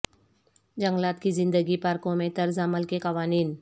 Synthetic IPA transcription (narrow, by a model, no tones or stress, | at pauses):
d͡ʒəŋɡlat̪̚kizɪnd̪əɡipaɾkomet̪əɾzaməlkekaʋaniːn